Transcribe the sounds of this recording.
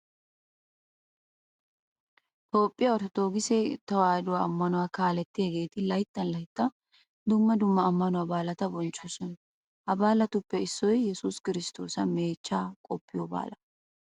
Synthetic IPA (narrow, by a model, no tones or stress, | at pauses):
t̪oːpʼːɪjɐɔɾtɔt̪oːɡɪsɛt̪ɐwaːd̪ʊwaɐmːɐnʊwaːkaːlɛt̪ːɪjɐɡe̞ːt̪ɪlɐjt̪ːɐnlɐjt̪ːɐ | d̪ʊmːɐd̪ʊmːɐːmːɐnʊwabaːlɐt̪ɐbɔnt͡ʃːosɐn | ʔɐbaːlɐt̪ʊpːɛɪsːɔjjɛsʊskɪɾɪst̪o̞̰ːsɐme̞ːt͡ʃːaːkʼɔpːɪjoba̰ːlɐ